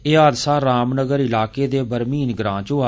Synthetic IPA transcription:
eːaːd̪saːɾaːmnəɡəɾɪlaːkeːd̪eːbəɾmiːnɡɾãːt͡ʃoːa

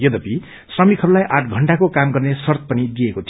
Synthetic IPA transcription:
jʌd̪ʌpi | srʌmikʰʌɾulajʔaʈʰɡʱʌɳɖakokamɡʌrnesʌrt̪̚pʌnid̪iekot͡sʰ

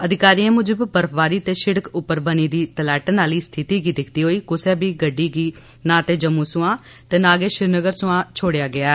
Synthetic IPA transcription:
əd̪ɪkaːɾiːãːmʊd͡ʒəbbəɾəpʰbaːɾiːt̪eːʃɪɽəkʊpːəɾbəniːd̪iːt̪əlɛːʈnaːliːst̪ʰɪt̪iːɡiːd̪ɪkʰt̪iːɦoːiːkʊsɛːbiːɡəɖːiːɡiː | nãːt̪eːd͡ʒəmːũːsʊãː | t̪eːnaːɡeːʃɪɾnəɡəɾsʊãːt͡ʃʰoːɽjaːɡɪaː

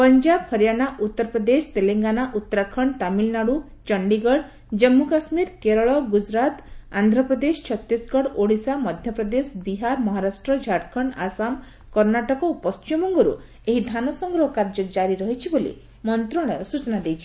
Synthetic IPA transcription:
pɔnd͡ʒabhɔɾjanaʔut̪ːɔɾpɾɔd̪est̪eleŋɡanaʔut̪ːɔɾakʰɔɳt̪amilnaɽu | t͡ʃɔɳɖiɡɔɽ | d͡ʒɔmːukasmiɾkeɾɔɭɔɡud͡ʒɾat̪and̪ʱɾɔpɾɔd̪esɔ̥t͡ʃʰɔt̪ːisɡɔɽoɽisamɔd̪ʱjɔpɾɔd̪esbiɦaɾmɔɦaɾasʈɾɔd͡ʒʱaʈkʰɔɳasam | kɔɾnaʈɔkɔupɔstʰiɔmɔŋɡɔɾṵ | eɦid̪ʱanɔsɔŋɡɾɔɦɔkaɾd͡ʒɔd͡ʒaɾiɾɔɦit͡ʃʰibolḭ | mɔnt̪ɾɔɽ̃ɔɾɔsut͡ʃɔnad̪ejt͡ʃʰi̥

